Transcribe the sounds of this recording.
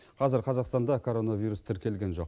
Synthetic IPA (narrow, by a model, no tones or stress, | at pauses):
qʰɑzɪɾqʰɑzɑqst̪ɑnd̪ɑkʰo̞ɾo̞navʲijɾust̪ʰɪɾkʲe̞lɡʲe̞nʒo̞q